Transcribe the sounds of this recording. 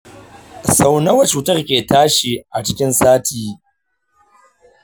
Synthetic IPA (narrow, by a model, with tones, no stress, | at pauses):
sa˨wnɐ˦wɐ˨t͡ʃuː˨tɐ˦rkʲeː˨taː˦ʃi˨ʔa˨t͡ʃɪ˦kʲɪ˦nsaː˦tʰiː˨